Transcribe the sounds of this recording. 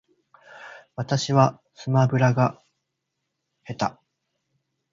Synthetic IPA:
βat̪aɕiβa | sɨmabɯ̟ɾaɡa | he̞t̪a

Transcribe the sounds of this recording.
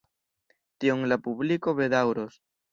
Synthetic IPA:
t̪joŋlapuβlikoβeðawɾos

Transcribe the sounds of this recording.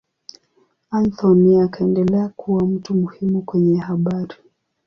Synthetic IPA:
anθɔniakaɛndɛlɛakʰuwam̩tumuhimukwɛɲɛɦaɓaɾi

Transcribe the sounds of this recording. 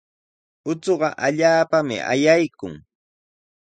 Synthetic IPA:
ʊt͡soɢɑʔaʎaːpamɪ̰ʔa̰jajkʊ̰ŋ

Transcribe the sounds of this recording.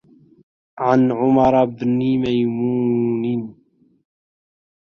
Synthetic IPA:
ʕanʕʊmɑɾˤbnimajmuːnin

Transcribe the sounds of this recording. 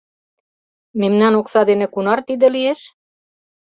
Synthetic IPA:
memnɑnoksɑd̪enĕkunɑrt̪id̪ĕlieʃ

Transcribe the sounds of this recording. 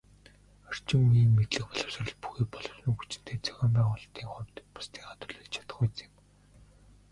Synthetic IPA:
ɔr̥t͡ɕɪ̆mːiːmːet̪ɮɘ̆xpɔɮɞ̆wsə̆rɞ̆ɮpu̥xiːpɔɮɞ̆wsɞ̆ŋxut͡ɕɪ̆n̥t̪ʰeːt͡sʰœ̥xʲɔːmpæːʁʊːɮt̪iːŋχʊwʲt̪pḁst̪ʰiːŋχat̪ʊ̆ɮĭːɮt͡ɕʰḁt̪ə̆χet͡se̥ːŋ

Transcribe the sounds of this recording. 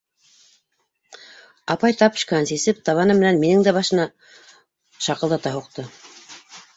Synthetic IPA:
ɑpɑjt̪ɑpɵ̥̆ʃkæænsisɘp̚t̪ɑβɑnɤmːɘ̆nænminɘŋd̪æbɑʃɤ̆nɑ | ʃɑqɤ̆lˠd̪ɑt̪ɑɦuqt̪ɤ

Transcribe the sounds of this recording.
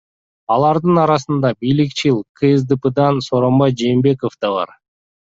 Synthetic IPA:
ɑlˠɑɾd̪ɯnɑɾɑsɯnd̪ɑbijlikt͡ʃilˠqʰɨzd̪ɨpɯd̪ɑnsoɾo̞mbɑjd͡ʒe̞ːmbe̞kofd̪̥ɑβɑ̰ɾ

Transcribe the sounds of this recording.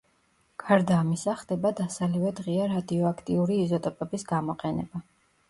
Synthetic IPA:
kʰaɾd̪aːmisaχd̪ɛbad̪asalivɛd̪ʁiaɾad̪iɔakʰt̪ʼiuɾiːzɔt̪ʼɔpʼɛbisɡamɔqʼɛnɛ̰ba

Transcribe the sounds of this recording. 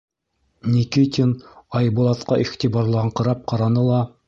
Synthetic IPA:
nʲikit̪ʲinɑjbŭlˠɑt̪qɑʔiχt̪ʲibɑɾlˠɑʁɴqɤ̆ɾɑp̚qɑɾɑnɤlˠɑ

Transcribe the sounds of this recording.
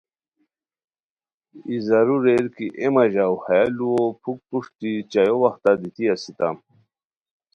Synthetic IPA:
izaɾuɾeɾkiʔemaʑawhajaluopʰuk̚puʂt̪it͡ɕajowaxt̪ad̪it̪iasit̪am

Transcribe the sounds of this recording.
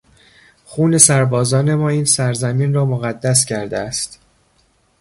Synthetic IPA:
xuːne̞sæɾbɒːzɒːne̞mɒːiːnsæɾzæmiːnrɒːmoɣæd̪ːæs̬cʰæɾd̪eæst̪

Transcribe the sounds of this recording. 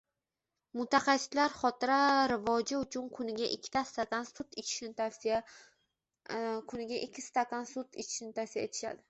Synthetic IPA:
mʊt̪ʰaχɑsɪ̥t̪laɾχɒt̪ʰɪɾaɾɪvɒd͡ʒɪʊt͡ʃʰʊnkʰʊnɪɡʲaʔɪkʲʰːɪ̥t̪ʰast̪at̪ansʊt̪ɪt͡ʃʰɪ̥ʃɪa | kʰʊnɪɡʲaʔɪkʲʰːɪst̪at̪ʰansʊt̪ɪt͡ʃʰɪ̥ʃɪnɪt̪ʰafsija̰et̪ʰɪ̥ʃa̰d̪ɪ

